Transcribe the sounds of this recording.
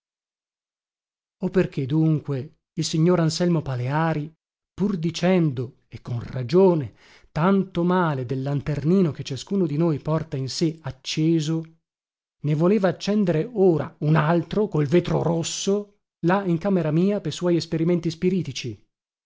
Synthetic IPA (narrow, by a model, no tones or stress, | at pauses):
opːerk̟ʰed̪uŋkwe | ilsiɲːoːɾansɛlmopaleaːɾi | purd̪it͡ʃɛnd̪o | ekːonrad͡ʒoːne | t̪ant̪omaːled̪elːant̪erniːnok̟et͡ʃːaskuːnod̪inojpɔrt̪ainseat͡ʃːeːzo | nevoleːvaːt͡ʃːɛnd̪eɾeoːɾa̰unalt̪ɾokolveːt̪ɾo̰ɾosːo | laiŋkaːmeɾamiːaperswɔːjespeɾiment̪ispiɾiːt̪it͡ʃi